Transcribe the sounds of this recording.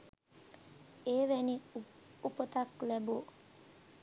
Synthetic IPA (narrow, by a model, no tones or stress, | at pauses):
eːʋɛni | upət̪ɐklɛbuː